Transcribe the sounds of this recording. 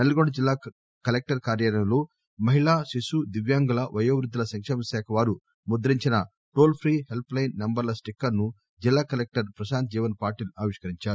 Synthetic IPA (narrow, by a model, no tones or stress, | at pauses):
nɐluɡoɽɐd͡ʒilːaː | kɐlek̚ʈɐɾkaːɾjaːɾɐjɐloː | mɐɦiɭaːʃiʃud̪iʋjaːŋɡulɐʋɐjoːʋɾud̪ːɐlɐsɐŋkʂeːmɐsɛːkʰɐʋaːɾu | mud̪ɐɾiɲt͡ʃinɐ | ʈoːlpʰɾiːɦelplɐjnːembɐɾlɐsʈikːɐɾnu | d͡ʒilːaːkɐlek̚ʈɐɾpɾɐʃaːnt̪̚d͡ʒiːʋɐnpaːɾʈiːluaːʋiʂkɐɾiɲt͡ʃaːɾu